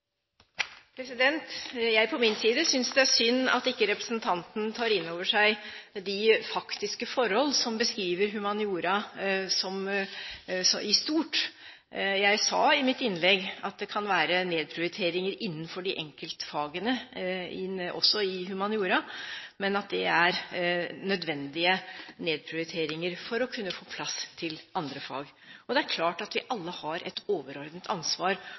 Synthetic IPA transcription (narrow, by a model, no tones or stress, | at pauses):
pʰɾɛsɪd̪ɛnt̪jæɪpʰɔmɪnsiːd̪əsʏnsd̪ɛæʂʏnːɑ̰t̪ɪkːəɾɛpɾəsnt̪ʰɑnt̪nt̪ʰɑːɾɪnːoːʋəʂæɪd̪ɪfɑkt̪ɪskəfɔɾhɔlːsɔmbəskɾiːʋəɾɦʉmɑnɪuːɾɑsɔm | sɔʔɪst̪uːʈ | jæɪsɑɪmɪt̪ɪnlɛɡɑt̪̚d̪ɛkʰɑnʋæːɾəneːd̪̚pʰɾɪʊɾɪt̪ʰeːɾɪŋəɾʔɪnːənfɔɖɪʔɛŋkəlt̪fɑːɡənəɪ̰ɔ̰sːɔɪɦʉmɑnjuːɾɑmɛnɑt̪̚d̪ɛæɾnœd̪ʋɛnd̪ɪəneːd̪̚pʰɾɪʊɾɪt̪ʰeːɾɪŋəɾfɔɾɔkʰʉnːəfoːpʰlɑst̪ʰɪlʔɑnd̪ɾəfɑ̰ːɡ | ɔd̪ɛæɾkʰlɑːʈɑt̪ʋɪʔɑlːəhɑɾʔɛ̰t̪ʰoːʋəɾɔɾd̪nt̪ʰɑnsʋɑːɾ